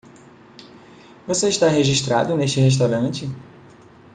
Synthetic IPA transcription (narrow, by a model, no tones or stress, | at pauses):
voseiʃt̪aɦeʒiʃt̪ɾa̰d̪ʊneʃt͡ʃɪɦeʃ̬t̪awɾɐ̃t͡ʃɪ